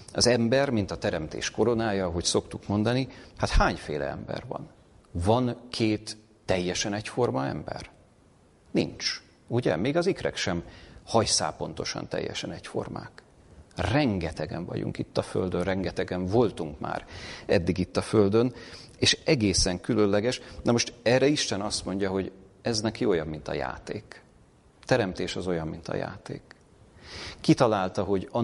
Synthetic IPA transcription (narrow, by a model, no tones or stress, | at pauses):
ɒzɛmbɛrmint̪ɒt̪ɛɾɛmt̪ḛːʃko̞ɾo̞naːjɒːɦo̞cso̞kt̪ukmo̞nd̪ɒnihat̪haːɲfeːlɛ̰ɛ̰mbɛ̰rvɒ̰n | vɒnkʰeːt̪ː | ɛjːɛʃɛnɛcfo̞rmɒɛ̰mbɛ̰r | nḭnt͡ʃ | uɟɛ̰meːɡɒzikrɛ̰kʃɛmhɒjsa̰ːpo̞n̪t̪o̞ʃɒ̰nt̪ɛ̰jːɛ̰ʃɛnɛcfo̞̰rma̰ːk | rɛŋɡɛt̪ɛɡɛ̰ɱvɒ̰ɟṵŋkit̪ːɒføld̪ønrɛŋɡɛt̪ɛɡɛɱvo̞lt̪uŋkma̰ːɾɛd̪ːiɡit̪ːɒføld̪øn | eːʃɛɡeːsɛŋkylø̞nlɛɡɛʃnɒmo̞ʃt̪ɛrɛiʃt̪ɛnɒst̪mo̞ɲɟɒɦo̞ɟ | ɛznɛkjoːjɒbmint̪ɒ̰ja̰ːt̪eːk | t̪ɛɾɛmt̪eːʃɒzo̞jɒmmint̪ɒ̰ja̰ːt̪ḛːk | it̪ɒlaːlt̪ɒɦo̞ɟɒ